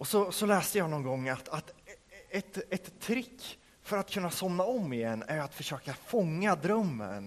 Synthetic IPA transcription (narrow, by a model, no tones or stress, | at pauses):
ɔsɔsɔlɛːst̪əjɑːnɔnɡɔŋːat̪at̪ɛt̪ɛt̪ʰːɾɪkː | fœɾat̪kʰɵnːasɔmnaɔmːɪjɛnːæɾjat̪fœʂøːkafɔŋːad̪ɾœmːə̰n